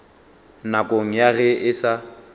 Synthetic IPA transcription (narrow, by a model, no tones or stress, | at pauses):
nakʼoŋ̩jaɣɛʔɪsa